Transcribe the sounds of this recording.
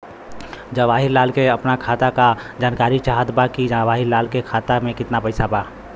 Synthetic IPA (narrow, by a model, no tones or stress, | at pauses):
d͡ʒəʋaɦilaːlkeəpnakʰat̪akad͡ʒaːnkaɾit͡ʃaɦət̪bakid͡ʒaʋaɦilaːlkekʰat̪amẽkɪt̪napəɪsaba